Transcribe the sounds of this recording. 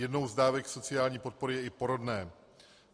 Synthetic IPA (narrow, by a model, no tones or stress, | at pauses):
jɛdno̞wzdaːvɛkso̞t͡sɪaːlɲiːpo̞t̪̚po̞ɾɪjɛɪpo̞ɾodnɛː